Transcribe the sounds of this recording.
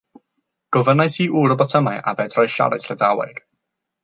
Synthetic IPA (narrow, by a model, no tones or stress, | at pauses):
ɡ̥ɔvənaɨsiːʔuɾɔbɔtʰəmajʔa̰bɛːdrɔjʃa̰ɾa̰ɬədawɛ̰ɡ̥